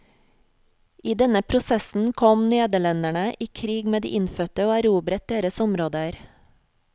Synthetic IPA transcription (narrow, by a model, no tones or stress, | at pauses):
ʔiːd̪ɛnəpʰɾʊsɛsn̩kʰɔmneːd̪əɭɛnd̪æɳəʔiːkʰɾiːɡmeːd̪ḭːʔɪnfœt̪əoːæɾuːbɾət̪̚d̪eːɾəsʊmɾoːd̪əæɾ